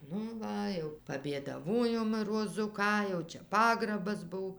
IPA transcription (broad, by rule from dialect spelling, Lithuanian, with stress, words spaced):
ˈnʊ ˈʋɐ jɛʊ pɐbʲeːdɐˈʋoːjoːm roːˈzʊ ˈkɑː jɛʊ ˈt͡ʃʲɛ ˈpɑːɡrɐbɐs ˈbʊw